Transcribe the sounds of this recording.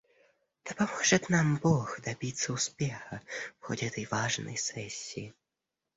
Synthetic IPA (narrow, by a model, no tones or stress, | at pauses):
d̪̥ɐpamɔʐɛt̪nambɔxd̪abʲit̪sːɐuspʲɛxɐfxɔ̰dʲɛt̪ɐjʋaʐnɐ̰jsɛsʲiji